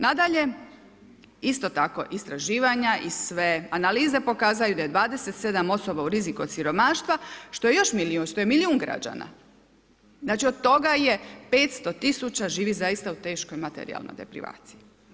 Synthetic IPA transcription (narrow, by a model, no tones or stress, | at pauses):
nad̪aʎe̞ | ist̪o̞t̪ako̞̰ʔist̪ɾaʒiːʋaɲaʔisʋeanaliːze̞po̞kaːzajud̪aje̞d̪ʋaːd̪e̞set̪se̞d̪amo̞so̞bauɾizikot̪siɾo̞maːʃt̪ʋaʃt̪o̞je̞jo̞ʃmiliunʃt̪o̞je̞miliuːŋɡɾa̰d͡ʑa̰na̰ | znaːt͡ʃiod̪̚t̪o̞ɡaje̞peːt̪st̪o̞t̪isut͡ɕaʒiːʋizajist̪aut̪e̞ːʃko̞jmat̪ḛɾḭa̰lnojd̪ḛpɾḭʋa̰ːt̪sii